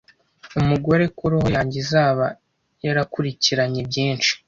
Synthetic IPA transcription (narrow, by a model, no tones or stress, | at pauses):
umuɡo̞ɾe̞kuɾohojaːɲɟizaːβa | jaɾakuɾiciɾaɲebjiːnt͡ʃi̥